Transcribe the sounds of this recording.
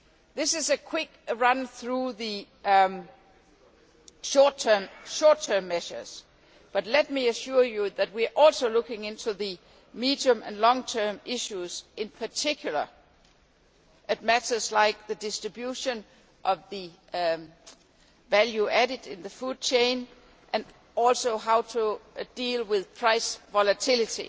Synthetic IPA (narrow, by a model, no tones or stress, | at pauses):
ðɪsɨzɨkʰw̥ɪkɹʌ̃nθɹuðɨ | ʃɔɹtʰə˞mʃɔɹtʰɜ˞mːɛʃə˞z̥ | b̥ʌtˡlɛt̚miɨʃʊɹjuðɨt̚wiəʔɔlˠsoʊlʊkɪ̃ŋɪ̃ntʰuðɨ | midiə̃mɨ̰̃nlɔ̃ŋtʰɜ̃˞mɪʃuz̥ʔɪ̃npʰə˞tʰɪkʰjul̩ˠə̰ | ʔɪt̚mæɾə˞zlaɪk̚ðɨdɪstɹ̥ɨbjuʃə̃n | ʔʌvðɨ | væljuæɾɪɾɪ̃nðəfud̚t͡ʃʰẽɪ̃n | ʔɨ̃n | ɔlsoʊɦaʊtʰud̥ilˠwɪðpʰɹ̥aɪsvɑlɨtʰɪlˠɨtḭ